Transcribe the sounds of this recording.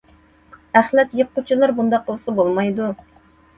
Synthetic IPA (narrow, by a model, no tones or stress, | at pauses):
æχlɛt̪jəqʰːʊt͡ʃʰilˠɑɾbund̪ɑqʰːəlˠsɨbolˠmɑjd̪u